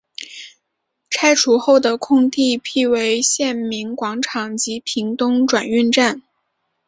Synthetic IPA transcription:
ʈ͡ʂʰa˥ɪʈ͡ʂʰu˧˥xo˥˩ʊd̪ə˩kʰʊ˥˧ŋt̪i˥˧pʰi˥˩we˧˥ɪɕjɛ˥˩nmi˧˥ŋkwɑ˧˥ŋʈ͡ʂʰɑ˨˩ŋt͡ɕi˧˥pʰi˧˥ŋt̪ʊ˥ŋʈ͡ʂwa˨˩ny˥˧nʈ͡ʂa˥˩n

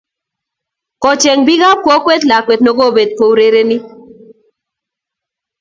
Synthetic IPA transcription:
kɔ˨t͡ʃɛ˨ŋbi˦ɣa˦kwɔ˦kwɛ˦t̪la˨kwɛ˨t̪nɔ˨ɡo˦˨be˨t̪̚po˨wɾe˦ɾe˦ni˦

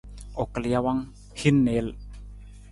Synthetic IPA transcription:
ʔo˨klia˧wa˦ŋ | hi˦nːe˦l

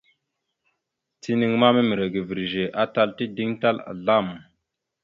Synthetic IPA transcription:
tʰi˦ni˨ŋma˦me˦mi˨ɾe˨ɡi˨vi˨ɾi˨ʒe˨ʔa˦ta˦lti˦di˦ŋta˦la̰˨ɮa˦˨m

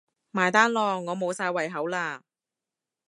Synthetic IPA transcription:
maː˨˩jt̪aː˥nlɔː˨ŋːɔː˨˧mo˨˧wsaː˧jwɐ˨jɦɐ˨˥wlaː˧

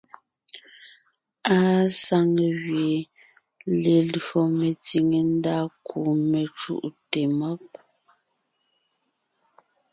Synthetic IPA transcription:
a˦sa˦ŋ˨ɣɥje˨ | le˨lɔ˨me˨ti˨ŋe˨n˦da˦ku˨me˨t͡ʃṵ˦˨ʔte˨mɔ˦p̚

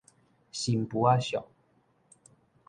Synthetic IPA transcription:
ɕi˨mpu˨˦a˦ɕjɔ̰˨ŋ

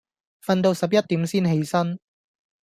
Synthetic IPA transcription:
fɐ˨˧nt̪o˧wsɐ˨p̚jɐ˥t̚t̪iː˨˥msiː˥nɦe˨˥jsɐ˥n

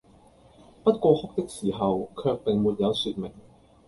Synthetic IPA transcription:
pɐ˥t̚kʷɔː˧hʊ˥k̚t̪ɪ˥k̚siː˨˩ɦɐ˨wkʰœː˧k̚pɪ˨ŋmuː˨t̚jɐ˨˧wsyː˧t̚mɪ˨˩ŋ

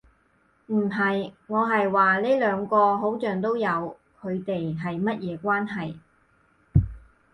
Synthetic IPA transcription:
m̩˨˩ɦɐ˨jŋɔː˨˧ɦɐ˨jwaː˨˩le˥lœː˨˧ŋkɔː˧ɦo˨˥wt͡ʃœː˨ŋt̪̬o˥wjɐ˨˧w | kʰɵ˨˧ɥt̪e˨jɦɐ˨jmɐ˥t̚jɛː˨˧kʷaː˥nɦɐ˨j

